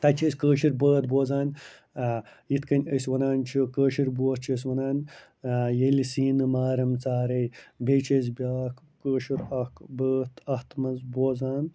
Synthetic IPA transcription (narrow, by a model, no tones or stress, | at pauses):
t̪ɐt͡ʃʰɐsʲkəːʃiɾbəːt̪̚boːzaːn | jit̪kɐnʲəsʲʋɐnaːnt͡ʃʰikəːʃiɾboːt̪̚t͡ʃʰɐsʲʋɐnaːn | jelisiːnɨmaːɾɐmt͡saːɾɐjbʲeːt͡ʃʰɐs̬bʲaːkːəːʃiɾɐkbəːt̪ʰɐht̪mɐnzboːzaːn